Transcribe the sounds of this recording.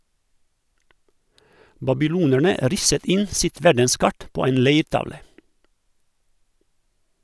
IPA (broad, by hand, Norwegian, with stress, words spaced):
bɑbɪˈluːnæɳə ˈɾɪsət ˈɪn ˈsɪt ˈʋæɖənˌskɑʈ ˈpoː ˈeːn ˈleɪɾˌtɑʋlə